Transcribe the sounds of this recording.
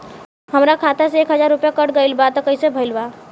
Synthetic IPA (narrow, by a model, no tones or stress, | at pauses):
ɦəmɾakʰat̪eseekɦəd͡ʒaɾupjakəʈɡəjlbat̪ɔkəjsebʱəɪlba